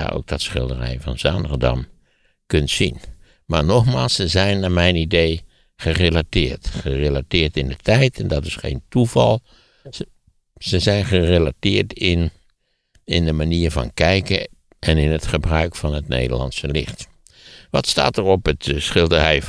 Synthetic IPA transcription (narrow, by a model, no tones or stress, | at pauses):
a̰ʔo̰wk̚d̥ɔtsχɪlˠdərɛ̰jvɑnza̰nə̰rdɑ̰m | køntsin | maɹnɔxmaːlˠsəzɛjnamɛjnidej | χərelatɪːɹtχərelatɪːɹtɪndətʰɛjtɛndɔtɪsxḛːntuvɑlˠ | səzɛjnχərelatɪːɹtɪn | ɪndəmaniːɹvɑ̰nkɛjkə | ʔɛnɪnətχəbrœɥkfɑnətnḛːdə̰lɑ̰nsəlɪ̰xt | ʋɑtsta̰ːtərɔpətsχɪlˠdərɛj